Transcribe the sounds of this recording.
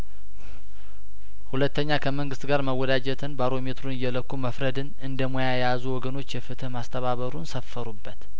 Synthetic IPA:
hulət̪ːəɲːakʰəməŋɡɨst̪ɡaɾməwːɔd̪ad͡ʒɛt̪ʰɨnbaɾo̞me̞t̪ɾunɨjːɛləkːuməfɾəd̪ɨnɨnd̪əmojajɛjazuwɔɡəno̞t͡ʃːjɛfɨt̪ʰɨhmast̪ʰəβaβəɾunsəfːəɾubːət̪

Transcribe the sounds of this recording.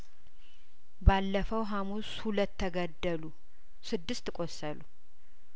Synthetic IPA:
balːəfəwɦamushulət̪ʰːəɡəd̪ːəlu | sɨd̪ːɨst̪kʷʼosəlu

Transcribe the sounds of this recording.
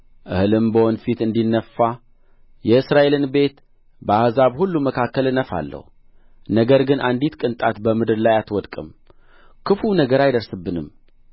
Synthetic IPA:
ʔɨ̰hɨlɨmbəhonfit̪ɨnd̪inːəfːa | jɛɨsɾaʔe̞lɨnbe̞t̪ | bəahzaβhulːuməkʰakːəlɨnːəfa̰lːə̰hu | nəɡəɾɡɨnʔand̪it̪kʼɨnt̪ʼat̪bəmɨd̪ɨɾlajat̪wɔd̪kʼɨm | kʰɨfunəɡəɾajd̪əɾsɨbːɨnɨm

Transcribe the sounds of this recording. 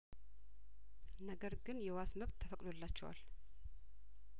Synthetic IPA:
nəɡəɾɡɨnjɛwasməβt̪ʰːəfəkʼd̪o̞lːat͡ʃːɛwa̰l

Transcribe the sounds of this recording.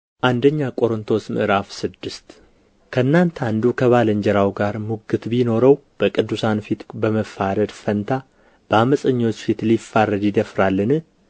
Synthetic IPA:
ʔand̪əɲːakʼo̞ɾɨnt̪ʰo̞smɨ̰ʔɨɾafsɨd̪ːɨst̪ | kʰəɨnːant̪ʰand̪ukʰəβaləɲd͡ʒɛɾawɡaɾmuɡɨt̪bino̞ɾəwb̥əkʼɨd̪ːusanfit̪bəməfːaɾəd̪fənt̪ʰa | b̥əaməsʼəɲːo̞t͡ʃːfit̪lifːaɾəd̪jɪd̪əfɾalːɨnɨ

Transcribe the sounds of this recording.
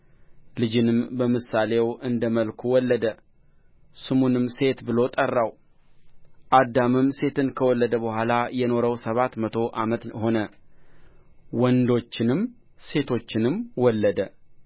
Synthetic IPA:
lɨd͡ʒɪnɨmbəmɨsale̞wɨnd̪əməlkʰuwɔlːəd̪ə | sɨmunɨmse̞t̪bɨlo̞t̪ʼərːaw | ʔad̪amɨmse̞t̪ʰɨnkʰəwɔlːəd̪əbəhʷalajɛno̞ɾəwsəβat̪mət̪ʰo̞ʔamət̪ho̞nə | wɔnd̪o̞t͡ʃːɪnɨm | se̞t̪ʰo̞t͡ʃːɪnɨmwɔlːəd̪ə

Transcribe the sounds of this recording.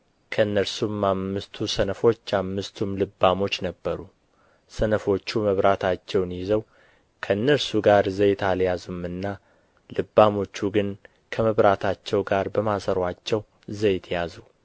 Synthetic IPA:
kʰəɨnːəɾsumːamːɨst̪ʰusənəfo̞t͡ʃːamːɨst̪ʰumlɨbːamo̞t͡ʃːnəbːəɾu | sənəfo̞t͡ʃːuməβɾat̪ʰat͡ʃːɛwnjɪzəw | kʰənːəɾsuɡaɾzəjt̪ʰaljazumɨnːa | lɨbːamo̞t͡ʃːuɡɨn | kʰəməβɾat̪ʰat͡ʃːɛwɡaɾbəmasəɾwat͡ʃːɛw | zəjt̪ʰjazu

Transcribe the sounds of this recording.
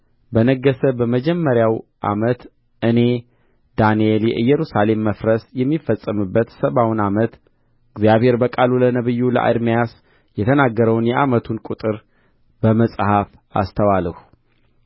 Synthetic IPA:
bənəɡːəsəbəməd͡ʒɛmːəɾjawʔa̰mət̪ | ʔɨne̞ | d̪anieljɛʔɨjːɛɾusale̞mːəfɾəsjɛmːifːəsʼːəmɨbːət̪səβawnamət̪ | ɨɡzijaβhe̞ɾbəkʼalulənəβɨjːulə̰ʔa̰d̪mijas | jɛt̪ʰənaɡːəɾəwnjɛʔamət̪ʰunkʼut̪ʼɨɾ | bəməsʼhaf | a̰st̪ʰəwaləhu

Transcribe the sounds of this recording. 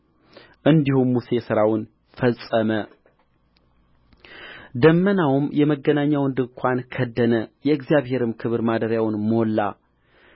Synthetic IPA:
ʔɨnd̪ihumːuse̞sɨɾawʊn | fəsʼəmə | d̪əmːənawʊmjɛməɡːənaɲːawɨnd̪ɨŋkʷʰankʰəd̪ːənəjɛɨɡzijaβhe̞ɾɨmkʰɨβɨɾmad̪əɾjawnmolːa

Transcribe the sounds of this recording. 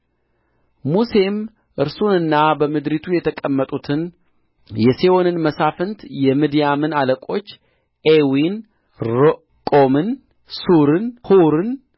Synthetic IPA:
muse̞m | ʔɨɾsunɨnːabəmɨd̪ɾit̪ʰujɛt̪ʰəkʼəmːət̪ʼut̪ʰɨn | jɛsewonɨnməsafɨnt̪jɛmɨd̪ijamɨnaləkʼo̞t͡ʃː | ʔewin | ɾo | kʼomɨn | suɾɨnhuɾɨn

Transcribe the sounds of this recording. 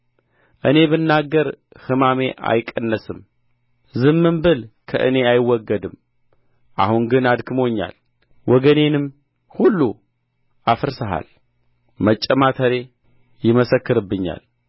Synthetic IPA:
ʔɨne̞bɨnːaɡːəɾ | hɨmame̞ʔa̰jkʼːənːəsɨm | zɨmːɨmbɨlkʰəʔɨ̰ne̞ajɪwːɔɡːəd̪ɨm | ʔa̰huŋɡɨnad̪kʰɨmo̞ɲːa̰l | wʔɔɡəne̞nɨm | hulːu | ʔafɨɾsəɦa̰l | mət͡ʃʼːəmat̪ʰəɾe̞ | jɪməsəkːɨɾɨbːɨɲːa̰l

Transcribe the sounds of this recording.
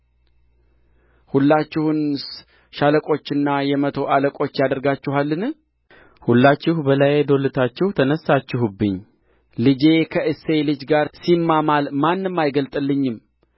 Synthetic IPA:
hulːat͡ʃːɪhun | ʃaləkʼo̞t͡ʃːɪnːajɛmət̪ʰo̞ʔaləkʼo̞t͡ʃːjad̪əɾɡat͡ʃːɪɦalːɨnɨ | hulːat͡ʃːɪhbəlajed̪o̞lɨt̪ʰat͡ʃːɪhut̪ʰənəsːat͡ʃːɪɦubːɨɲː | lɨd͡ʒe̞kʰəʔɨsːe̞lɨd͡ʒɡaɾsimːamalmanːɨmːajɡəlt̪ʼɨlːɨɲːɪm

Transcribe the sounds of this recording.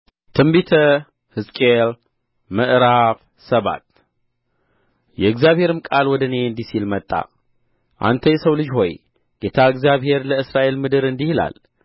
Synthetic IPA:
t̪ʰɨmbit̪ʰə | hɨskʼel | mɨʔɾaf | səβa̰t̪ | jɛɨɡzjaβhe̞ɾɨmkʼalwɔd̪əne̞ɨnd̪isilmət̪ʼːa̰ | ʔa̰nt̪ʰəjɛsəwlɨd͡ʒho̞j | ɡ̥et̪ʰaɨɡzjaβhe̞ɾləɨsɾaʔe̞lmɨd̪ɨɾɨnd̪ihɨla̰l

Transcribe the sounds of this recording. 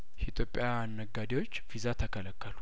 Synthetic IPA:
it̪ʰʼjo̞pʼːjaːnːəɡːad̪ewot͡ʃːfizat̪ʰəkʰələkːəlu̥

